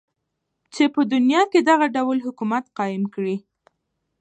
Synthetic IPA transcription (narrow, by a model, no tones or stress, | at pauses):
t͡ʃepəd̪ʊnjɑked̪aɣaɖawlɦʊkumat̪qɑjɪmkɽi